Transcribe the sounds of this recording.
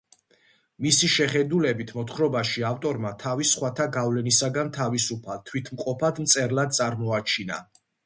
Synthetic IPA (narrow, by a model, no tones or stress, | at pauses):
misiʃɛχɛd̪ulɛbit̪ʰmɔt̪χɾɔbaʃiaft̪ʼɔɾmat̪ʰavisχwat̪ʰaɡavlɛnisaɡant̪ʰavisupʰalt̪ʰwit̪ʰmqʼɔpʰad̪mt̪sʼɛɾlad̪̚sʼaɾmɔat͡ʃʰina̰